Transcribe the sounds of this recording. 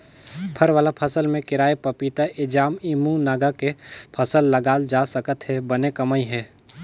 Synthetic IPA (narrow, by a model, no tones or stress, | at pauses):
pʰəɾʋaːlapʰɐsəlmẽkɪɾaːepɐpit̪aʔɪd͡ʒaːmiːmũnaːɡakepʰɐsəlːɐɡaːld͡ʒaːsəkət̪ɦɛbɐnekɐmaiɦɛː